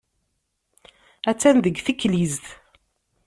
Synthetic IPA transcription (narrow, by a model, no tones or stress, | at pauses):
æt͡sːænðəɡθikːlizθ